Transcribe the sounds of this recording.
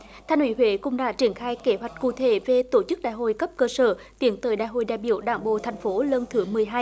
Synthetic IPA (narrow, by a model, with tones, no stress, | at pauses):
t̪ʰaː˧nʔwi˧˦hwe˧˦kʊ̰˧˥ŋ͡mɗa̰ː˧˥t͡ɕi˧˩ənxaː˧jke˨˦ɦwa˨˩jk̟̚kṵ˧˨t̪ʰe˧˩ve˨˩t̪o˧˩t͡ɕɨ˦˥k̚ɗa̰ː˧˨˩jɦo̰˧˨jkə˦˥p̚kəː˧səː˧˩ | t̪i˨˦ənt̪əː˨˦jɗa̰ː˨jɦo̰˧˨jɗa̰ː˧˨jɓḭ˧˨əwɗaː˧˩ŋɓo̰˧˨t̪ʰa˨˩jŋ̟fo˨˦lə˧nt̪ʰɨ˨˦mɨ˨˩əjɦaː˧j